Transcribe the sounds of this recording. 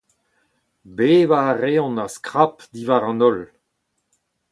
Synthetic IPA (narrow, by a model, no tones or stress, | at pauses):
beːvaʁeɔ̃naskʁapd̪ivaʁɑ̃nɔl